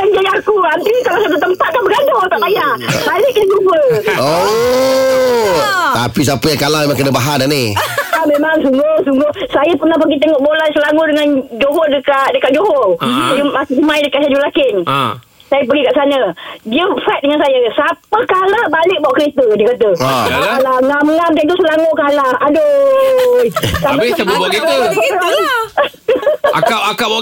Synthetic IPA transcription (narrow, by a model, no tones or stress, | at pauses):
aŋd͡ʒajiakuant̪ikalawsak̪ət̪əmpat̪̚kanbəɡadot̪aʔpajabalɪk̚dəɡuwəo | t̪apis̬apəjaŋkalamemãŋkənəbaɦananiamemaŋsuŋɡʊhsuŋɡʊhsajapərnahpəɡit̪̬əŋɔʔbolajsəlaɡudəŋand͡ʒoɦɔdəkadəkaʔ̚d͡ʒoɦɔsajəmakiumãjdəkaʔsad͡ʒulakɪn̰ | sajap̬əɡikaʔsanədiəfat̪̚dəŋansajəsapəkalahbalɪk̚bawʔkəɾet̪ədiəkat̪əalaŋamŋamdant̪usəlaŋokalahado | jkabit̪əbuboɡiusoɾa | aaakab